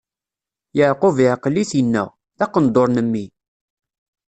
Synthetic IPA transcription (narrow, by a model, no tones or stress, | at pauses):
jaʕqʊviʕqəlːiθənːæ̰ʁ | ðɑqənd̪oɾˤnəmːi